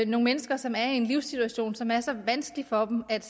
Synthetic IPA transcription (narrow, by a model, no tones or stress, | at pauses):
no̝ŋəmenəsɡ̥ɐsɒ̽mæɐienliʊsit͡sʰuæɕo̝̰ːnsɒ̽mæɐsɒ̽ʋænsɡ̥əlifɒ̽b̥mæd̥